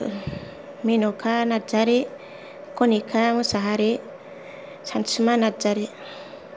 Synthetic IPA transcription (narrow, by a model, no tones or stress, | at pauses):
minokʰanad͡ʒaɾe | konikʰamusaɦaɾe | sant͡ʃimanad͡ʒaɾi